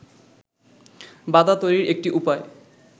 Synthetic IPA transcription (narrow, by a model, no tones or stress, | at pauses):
bad̪at̪ojɾiɾek̚ʈiʔupae